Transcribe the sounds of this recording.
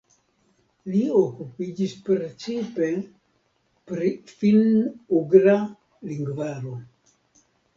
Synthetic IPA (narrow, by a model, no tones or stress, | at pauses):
liokupid͡ʒispɾt͡ʃipe | pɾifinuɡɾa | liŋɡvaɾo